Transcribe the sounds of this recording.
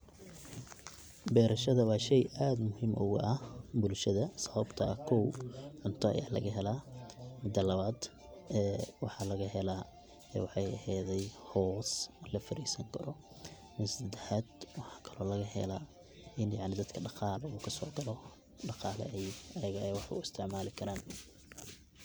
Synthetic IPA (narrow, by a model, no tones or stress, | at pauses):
bɛːɾɐʃɐðɐwɑːʃɛjaːd̪mʊhiːmʔʊɣʊ̰ʔɐbʊlʃɐðɐsɐβɐbt̪ʰɐkʰɔwʕʊnt̪ʰɐɐ̰ja̰ːlɐ̰ɣɐɦɛlaːmɪd̪ɐlɐβaːd̪ | ɛːwɑħɑlɐɣɐɦɛla | ɛ̰wɑħɑjɐ̰hɛðɛjhɔːslɐfɐɾiːsɐŋkʰɐɾɔ | mɐsɐd̪ɛħaːd̪wɑħɑ̥kʰɐ̥lɔːlɐɣɐɦɛ̰la | ʔɪnjaʕnɪd̪ɐd̪kʰɐɖɑqɑːluːkʰɐsɔːɡɐlɔ | ɖɑqɑːlɐ̰ɛjɐjɐɣɐɛjwɑħʊ̰ɪst̪ʰɪʕmaːlɪkʰɐɾaːn